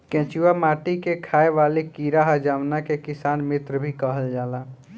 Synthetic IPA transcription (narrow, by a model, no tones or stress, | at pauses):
kɛ̃ːt͡ʃuwamaːʈikekʰaːeʋaːlikiːɾaɦəd͡ʒaːmnakekɪsaːnmɪt̪ɾəbʱikəɦəld͡ʒaːlaː